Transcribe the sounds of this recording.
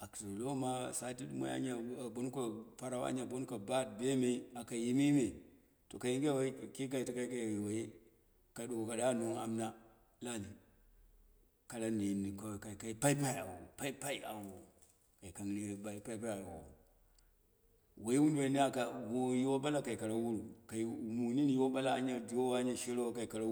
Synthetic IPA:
a˨kti˨lo˦ma˦sa˨˦ti˦dma̰˦ja̰˦ɲa˨bo˦n˦ka˨pa˦ɾa˦wa̰˦ɲa˨bo˦n˦ka˨ba˦˨t̚be˦me˦a˨ka˨ji˦mi˦me˨ | to˨ka˨ji˦ŋɡwa˦˨ki˦k̬a˦i˨ti˨ka˦i˦ka˨wa˨je˦ | ka˨˦du˨ɡo˨ka˨da˦nu˨ŋa̰˨mna˦ | la˦ni˨ | ka˨la˦ni˨mni˨ka˨ka˨i˨ka˨˦pa˦i˦pa˦i˦˨a̰˨w̰pa˦i˦pa˦i˦˨a˨wo˨ | ka˨i˨ka˨ni˦˨ba˨˦pa˦i˦pa˦ja˨o̰˨o̰˨ | wa˨i˦wu˦n˦e˨˦ni˦a˨ka˨wo˦ji˦wo˦ba˦la˦ka˨i˨ka˨ɾa˦wu˦ɾu˨ka˨mu˨ni˦nji˦wo˦ba˦la˦a̰˦ɲa˦d͡ʒo˦wa˦ɲa˦ʃe˦ɾo˦wa˦ka˨i˨ka˨ɾa˦

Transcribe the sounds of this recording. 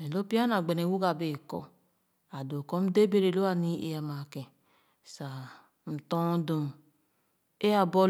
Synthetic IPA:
e˨lo˦pi˦a˦na˨ɡ͡be˨ne˨wu˦ɡa˨be˨kɔ̰˦ | a˨do˨kɔ˦m̩˦de˦be˦ɾe˨lo˦a˨ni˦ḛ˨˦a˨ma˨kɛ̃˨ | sa˨ | n̩˨tɔ̃˦do˨ | e˦a˨bɔ˦

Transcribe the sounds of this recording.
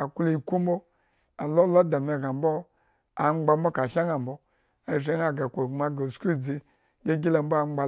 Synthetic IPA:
a˨ku˦le˨i˨ku˦mbo˦ | a˨lo˦lo˦da˨me˨ɡa˨m˦bo˦ | a˨ŋ͡mɡ͡ba˧m˦bo˦ka˨ʃa˦ŋa˨m̩bo˦ | a˨ʒe˨˦ŋa˨ɡa˨kʷo˨ma˨ɡo˨sku˦˨d͡ze˨˧ | ɡe˦ɡi˦la˨mbo˦a˨ŋ͡mɡ͡ba˧

